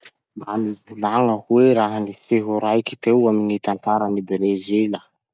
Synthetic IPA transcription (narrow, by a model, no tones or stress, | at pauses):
banivulaŋəhweɾaɦənifeɦuɾajki̥t̪ewaminit̪ant̪aɾənibɾezelə